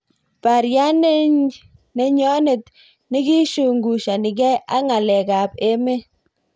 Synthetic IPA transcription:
pa˨ɾja˦n˦ | ne˨ɲɔ˦ne˨t̪ | nɪ˦ki˦ʃu˨ŋɡu˨ʃa˨nɪ˨kɛ˦a̰˦ŋa˨lɛ˨ka˨pe˦me˦

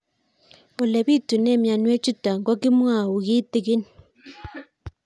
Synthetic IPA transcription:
ɔ˨lɛ˨βi˦˨tu˨nɛ˦˨mja˨nwɛ˦t͡ʃu˦ta˨ŋɡɔ˦ki˦mwa˦˨u˨ɣi˦ti˨ɣɪ˦n

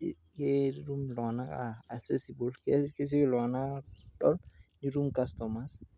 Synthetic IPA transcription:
ke˦ɾu˦mlɔ˨a˨na˦kaː˨ksɛsibulkki˦s̬i˦klɔ˨a˨na˦dɔ˦lniɾu˦mkastɔmas

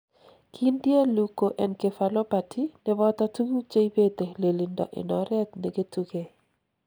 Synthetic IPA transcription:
kʰi˦ndje˦lu˨ko˨ʔɛ˨nke˨fa˨lo˦pa˨tʰi˦ne˦bɔ˦t̪a˦tu˦ɡu˦t͡ʃe˦i˦be˦t̪e˨le˨li˨ndɔ̰˨ʔḛ˨nɔ˨ɾɛ˦t̪ne˨ɡe˦tu˦ɡe˨

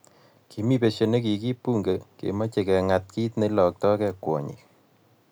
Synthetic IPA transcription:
ki˨mi˦pe˨ʃe˨ne˦ki˨ki˦pu˦ŋɡe˨kḛ˨ma˦t͡ʃe˨kɛ˨ŋa˨t̚ki˦tne˦lɔ˨k̚tɔ˦kɛ˦kwɔ̰˨ɲḭ˨k

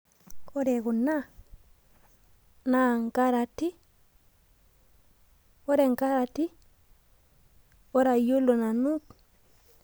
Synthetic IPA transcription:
o˦ɾe˨ku˨na˦ | na˨ŋka˦ɾa˨ti˦ | o˦ɾe˨ŋka˦ɾa˨ti˦ | o˦ɾa˨jo˦lo˨na˨nu˦t

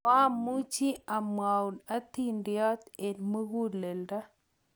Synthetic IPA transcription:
a˦mu˦t͡ʃi˦a˨mwa˨u˨na˦t̪i˦ndjɔ˦t̪e˨nmu˦ɣu˦le˨lda˦

